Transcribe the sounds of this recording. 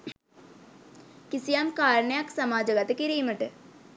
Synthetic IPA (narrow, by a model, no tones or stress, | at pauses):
kisijamkaːɾɳəjɐksɐmaːd͡ʒəɡɐt̪kiɾiːməʈ